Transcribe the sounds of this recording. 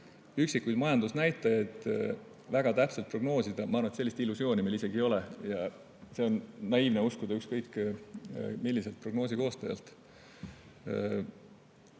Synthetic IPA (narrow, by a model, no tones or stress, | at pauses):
yksikːujd̪̥mɑjɑnd̪usnæjt̪ˑːɑjɑdt̪ | væɡ̥ɑt̪æpse̞lt̪pro̞ɡ̥no̞ːsid̪ɑmɑɑːrmunet̪se̞lːist̪ilːusjo̞ːnimelise̞ɡ̥io̞lejɑ | se̞o̞nːɑiːvneuskud̪ɑykskɤjkː | milːise̞lt̪̚pro̞ɡ̥no̞ːs̬iko̞ːst̪ɑjɑ̰lt̪ˑ